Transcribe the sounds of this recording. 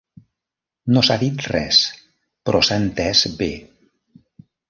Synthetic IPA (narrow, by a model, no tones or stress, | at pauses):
nosaðit̪rɛs | pɾʔɔsant̪ɛzbe